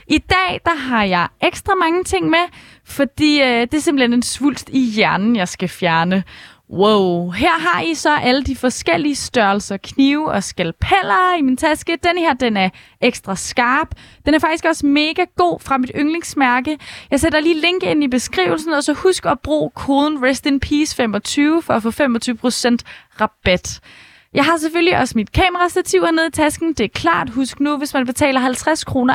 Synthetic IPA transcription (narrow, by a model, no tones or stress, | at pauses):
ʔid̥ɛ̰ːd̥ɑ̈ɦɑ̈jɑ̈ɪeɡ̥sd̥ʁɑ̈mɑ̈ŋət͡sʰe̝ŋ̰me | fɒ̽d̥ḭːd̥e̝æɐse̝mb̥l̩henensʋul̰d̥ijæɐnn̩jɑ̈ɪsɡ̥æfjæɐnə | woʊɦeɐ̰ɦɑ̈isɒ̽ʔæləd̥ifɒ̽sɡ̥el̰iəsd̥ɶɐl̩sɐkʰniʊɒsɡ̥ælpʰæl̰ɐimint͡sʰæsɡ̥əd̥enhe̝ɐ̰d̥enæɐ | eɡ̥sd̥ʁɑ̈sɡ̥ɑ̈ːb̥ | enæɐfɑ̈ɡ̥̚d̥isɡ̥ɒ̽sme̝ːɡ̥æɡ̥o̝̰ːfʁɑ̈mid̥øŋle̝ŋsmæɐɡ̥əjɑɪsed̥ɐliːleŋ̰ɡ̥e̝n̰ib̥e̝sɡ̥ʁḭːʊl̩sn̩ɒ̽sɒ̽husɡ̥ɒb̥ʁo̰ːkʰo̝ːðˠn̩ʁesd̥iŋpʰiːsfem̰ɒt͡sʰyːʊfɒ̽æfɔ̰ːfem̰ɒ̽t͡sʰyːʊə̥pʰʁo̝sen̰d̥ʁɑ̈b̥æd̥ | jɑ̈ɪɦɑ̈s̬eføljiʔɒ̽smid̥kʰɛ̰ːməʁɑsd̥æt͡sʰiʊ̰æne̝ð̞ˠit͡sʰæsɡ̥n̩d̥e̝æɐkʰlɑ̰̈ːd̥ɦusɡ̥nuʋe̝smænb̥e̝t͡sʰɛ̰ːlɐɦælt͡sʰʁaskʰʁo̝ːnɐ